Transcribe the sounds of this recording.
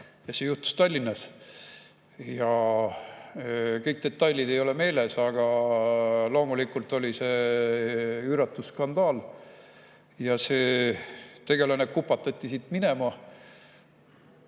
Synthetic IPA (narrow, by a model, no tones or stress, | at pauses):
jɑsejuht̪ːu̥st̪ɑlʲːinːɑs | jɑ | kɤjk̚d̪̥e̞t̪ːɑjlʲːid̪̥e̞jo̞le̞me̞ːle̞sɑɡ̥ɑ | lo̞ːmulikːˑult̪ːˑo̞lʲise̞ | yɾɑt̪ːˑusːkɑnd̪̥ɑːl | jɑseː | t̪e̞ɡe̞lɑnekupːˑɑt̪ːɑt̪ʲːisit̪ːmine̞mɑ